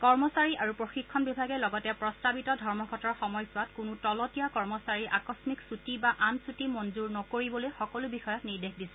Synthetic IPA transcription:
kɔɹmɔsaɹiʔaɹupɹoxikʰːɔnbibʱaɡɛlɔɡɔtɛpɹɔstabitɔdʱɔɹmɔɡʱɔtɔɹxɔmɔjsuatkʊnutɔlɔtijakɔɹmɔsaɹiʔakɔsmiksutibaʔansutimɔnzuɹnɔkoɹibɔlojxɔkɔlubixɔjɔtniɹdexdisɛ̥

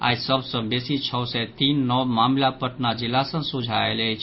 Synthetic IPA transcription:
a̰jsəbʱsə̃besit͡ʃʰɔsɛt̪inːɔmamlapəʈnad͡ʒilːasə̃sud͡ʒʱaelɛjt͡ʃʰ

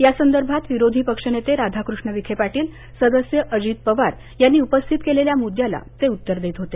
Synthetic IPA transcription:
jasənd̪əɾbʱat̪ʋiɾod̪ʱiːpəkʂənet̪eɾad̪ʱakɾuʂɳəʋikʰepaʈiːl | səd̪əsjəʔəd͡ʑiːt̪̚pəʋaɾ | janːiːupəst̪ʰit̪keleljamud̪jala̰t̪eut̪ːəɾd̪eːt̪ɦot̪e

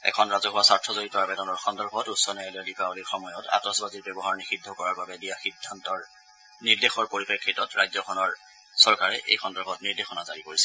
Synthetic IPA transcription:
ɛ̰kʰɔnɹazɔɦʊwasaɹtʰɔzoɹitɔabɛdɔnɔɹxʰɔndɔɹkɔtusːɔnɛalɛdipaolixɔmɔjɔtʰa̰tɔsbaziɹbɛbɔɦaɹnixidʱːɔkɔɹaɹbabɛbijaxidʱːantɔɹ | niɹdexɔɹpoɹipekʰːitɔtɹajzɔkʰɔnɔɹ | sɔɹkaɹɛʔḛjxɔndɔɹkʰɔtniɹdexɔnazaɹikoɹisɛ

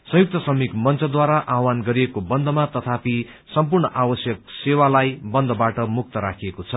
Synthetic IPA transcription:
sʌ̃juk̚t̪ʌsʌmikmʌnt͡sʌd̪waɾaʔawanɡʌɾiekobʌnd̪ʱʌmat̪ʌt̪ʰapi | sʌmpurɳʌʔabʌsjʌk̚sewalajbʌnd̪ʱʌbaʈʌmuk̚t̪ʌɾakʰiekot͡sʰʌ

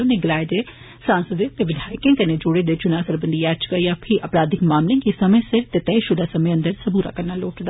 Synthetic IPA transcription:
oːneːɡɪlaːɪd̪eː | sãːnsəd̪et̪eːʋɪd̪ʱaːjkẽːkəned͡ʒoɽed̪eːt͡ʃʊnaːsəɾbənd̪iːɛːt͡ʃkajaːpʰɪʔəpɾaːd̪ɪkmaːmlɪ̃ŋɡisəmẽːsɪɾt̪eːt̪ɛiʃʊd̪aːsəmẽːə̃nd̪əɾsəbuːɾa̰ːkəɾnaːloːʈd̪aː

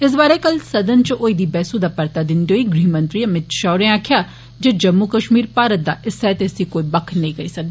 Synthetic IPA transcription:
ɪs̬baːɾekəlsɐd̪ənt͡ʃoːiːd̪iːbɛːsuːd̪aːpəɾt̪aːd̪ɪnd̪eɦoːiɡɾiːmə̃nt̪ɾiːɐmɪt̪ʃaːɾẽaːkʰjaː | d͡ʒeːd͡ʒəmːukəʃmiːɾpaːɾət̪̚d̪aːʔɪsɛːt̪esiːkoːiːbɐkʰnəĩːɡəiːsɐk̚d̪eiː

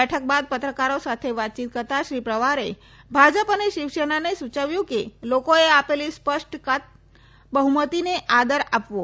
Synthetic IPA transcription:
ɛʈʰək̚bad̪̚pət̪ɾəkaɾosat̪ʰeʋat̪̚t͡ʃit̪̚kəɾt̪aʃɾipɾəʋaɾe | bʱad͡ʒəpəneʃiʋʃenanesut͡ʃəʋjũkelokoeapelispəʂʈkat̪̚ | bəɦumət̪ineʔad̪əɾapʋo

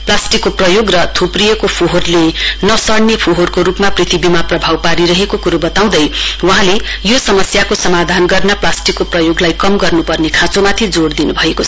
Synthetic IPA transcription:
plasʈikːoprʌjoɡrʌt̪ʰuprijʌkopʰoɦorlenʌsʌɽnepʰoɦorkoɾupmaprit̪ʰibimaprʌbʱawpaɾiɾʌɦekokuɾobʌt̪aw̃d̪ʌjwʌɦãlejosʌmʌsjakosʌmad̪ʱanɡʌrnʌplasʈikːoprʌjoɡlajkʌmɡʌrnupʌrnekʰãt͡somat̪ʰid͡zoɽd̪inubʱʌekot͡sʰʌ

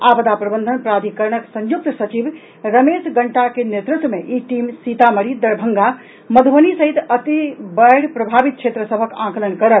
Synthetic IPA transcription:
abəd̪apɾəbənd̪ʱənpɾad̪ʱikəɾɳəksə̃ɲjuk̚t̪sət͡ʃib | ɾəmesɡəɳʈakenet̪ɾut̪wmeʔiʈimsit̪aməɽid̪əɾbʱəŋɡa | məd̪ʱbənisəɦit̪ət̪ibəjɽpɾəbʱabit̪̚t͡ʃʰet̪ɾəsəbʱəkãkələnkəɾət̪

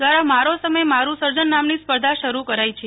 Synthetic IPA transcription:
ʋaɾamaɾosəməemaɾũsəɾd͡ʒənːamnispəɾd̪ʱaʃəɾukəɾajt͡ʃʰe

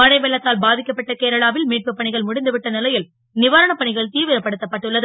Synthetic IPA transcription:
mɐnɐɪʋeːɭːɐt̪ːaːlbaːðɪkːɐpːɐʈːɐkeːɾɐɭaːʋɪlmiːʈ̚pɯpːɐɳɪɣɐɭmʊɽɪnd̪ɯʋɪʈːɐnɪlɐjɪl | nɪʋaːɾɐɳɐpːɐɳɪɣɐɭt̪iːʋɪɾɐpːɐɽɯt̪ːɐpːɐʈːɯɭːɐðɯ

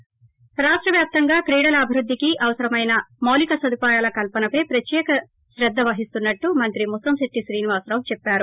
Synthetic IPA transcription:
ɾaːʂʈɾɐʋjaːp̚t̪ɐŋɡaːkɾiːɽɐlɐːbʱiɾud̪ːikiʔɐʋɐsɐɾɐmɐjnɐmoːlikɐsɐd̪upaːjaːlɐkɐlpɐnɐpɐjpɾɐt̪jɛːkɐ | ʃɾɛd̪ːɐʋɐɦist̪unːɐʈːumɐnt̪ɾimusɐmsiʈ̪ːisɾiːniʋaːsɾɐwt͡ʃɛpːaːɾu

